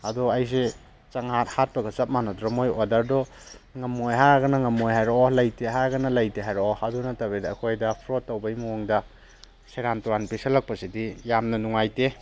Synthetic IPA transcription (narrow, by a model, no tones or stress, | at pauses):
ɐdɔajs̬e | t͡ʃaŋhat̚hat̚pɐɡɐt͡ʃɐp̚manadɾɔmojodaɾdɔ | ŋɐmːojɦaɡɐnɐŋɐmːojɦajɾɔɔlajtʰeɦaɡɐnɐlɐjteɦajɾoadunɐtabedːkʰojdɐpʰɾotːawbɐjmuɔŋdɐ | seɾantuɾanpisalak̚pɐsidijamnɐnuŋajte